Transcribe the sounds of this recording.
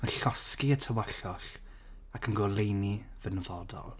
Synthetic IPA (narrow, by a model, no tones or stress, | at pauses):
məɬɔskiətʰəwaɬɔɬ | akʰənɡɔlˠejnivənəvɔdɔ̰lˠ